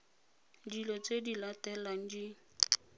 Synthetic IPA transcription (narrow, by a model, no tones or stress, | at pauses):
dilɔt͡sedilatɛlan̩di